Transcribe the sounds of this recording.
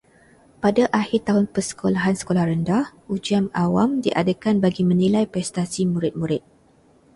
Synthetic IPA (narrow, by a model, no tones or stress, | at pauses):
padaʔahɪrt̪aɦʊnpərsə̥kolaɦansə̥kolahrəndahud͡ʒiamawamdiʔa̰dəkanbaɡimə̃nilajpɾɛst̪asimuɾɪt̪̚mũɾɪt̪̚